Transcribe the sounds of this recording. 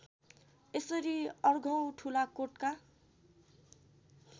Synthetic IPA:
esʌɾiʌrɡʱʌw̃ʈʰulakoʈka

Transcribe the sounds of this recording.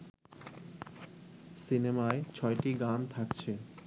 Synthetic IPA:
sinemaet͡ɕʰɔeʈiɡɾamt̪ʰakt͡ɕʰe

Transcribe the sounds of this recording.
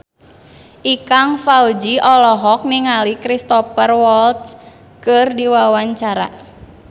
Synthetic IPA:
ʔikaŋfawd͡ʒiʔɔlɔɦɔk̚niŋalikɾist̪ɔpərwɔlt̪s | kɨrdiwawaɲt͡ʃaɾa̰

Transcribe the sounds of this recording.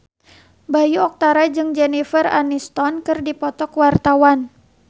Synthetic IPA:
bajuɔk̚t̪aɾad͡ʒɨŋd͡ʒɛnifəra̰nist̪ɔnkɨrdipɔt̪ɔkwart̪awan

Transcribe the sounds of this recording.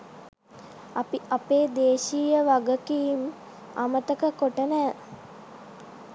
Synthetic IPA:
apiapeːd̪eːʃiːjəʋaɡəkiːm | a̰mət̪əkəkoʈənæː

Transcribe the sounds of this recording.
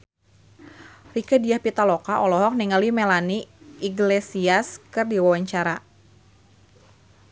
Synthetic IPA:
rikədiahpit̪alɔkaʔɔlɔɦɔk̚niŋalimɛlaniiɡlesiaskɨrdiwawaɲt͡ʃaɾa

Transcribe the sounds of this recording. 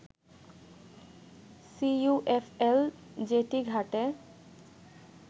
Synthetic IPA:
sijuʔefʰel | d͡ʑeʈiɡʱaʈe

